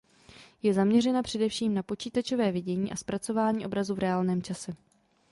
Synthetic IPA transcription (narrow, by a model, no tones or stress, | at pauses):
jɛzamɲɛrɛnapr̝̥ɛdɛfʃiːmnapo̞t͡ʃiːt̪at͡ʃo̞vɛːvɪɟɛɲiːʔaspɾat͡so̞vaːɲiːʔo̞bɾazuvɾɛaːlnɛːmt͡ʃasɛ